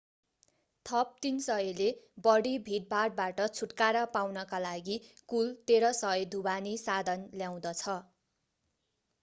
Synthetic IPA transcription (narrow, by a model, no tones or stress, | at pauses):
t̪ʰʌp̚t̪insʌjelebʌɽibʱiʈ̚baɽ̚baʈʌt͡sʰuʈkaɾʌpawnʌkalaɡikult̪eɾʌsʌjd̪ʱubanisad̪ʱʌnljaw̃d̪ʌt͡sʰʌ